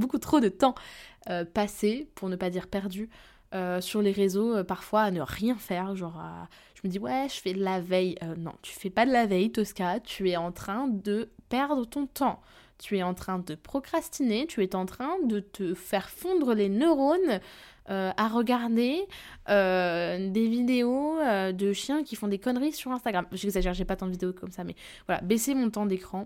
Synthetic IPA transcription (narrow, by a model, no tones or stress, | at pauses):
bokut̪χod̪ət̪ɑ̃øpasepuʁnəpad̪iʁpɛʁd̪y | øsyʁleʁezoøpaʁfwaːnəʁjɛ̃fɛːʁʒɑ̃ʁa̰ | ʒ̥əməd̪iwɛʒəfɛd̪əlavɛjønɔ̰̃t̪ʰy̥fɛpad̪əlavɛjt̪ɔskat̪ʰyɛɑ̃t̪χɛ̃d̪əpɛʁd̪ʁət̪ɔ̃t̪ɑ̃ | t̪yɛɑ̃t̪χɛ̃d̪əpχɔkχast̪inet̪yɛt̪ɑ̃t̪χɛ̃d̪ət̪əfɛʁfɔ̃d̪ʁəlenøʁon | øaʁəɡaʁd̪eød̪evid̪eoød̪əʃjɛ̃kʲifɔ̃d̪ekɔnʁisyʁɛ̃st̪aɡʁamʒɛɡzaʒɛʁʒepat̪ɑ̃d̪əvid̪eokɔmsamɛ̰ | vwala̰besemɔ̃t̪̬ɑ̃d̪ekχɑ̃